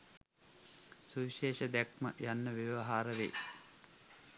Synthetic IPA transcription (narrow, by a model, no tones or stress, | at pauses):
suʋiʃeːʃɐd̪ækmə̰janːɐʋjeʋɐɦaːɾəʋḛː